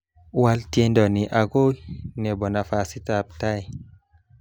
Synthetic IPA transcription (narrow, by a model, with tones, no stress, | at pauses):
wa˧lte˧ndɔ˨ni˨ʔa˨ɡo˦ne˨bɔ˨na˨fa˨si˦ta˨p̚ta˦j